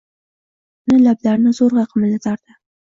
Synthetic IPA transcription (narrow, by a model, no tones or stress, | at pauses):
nalablaɾnɪzoɾʁɑqʰəmɪnɪt̪ʰɑɾd̪ə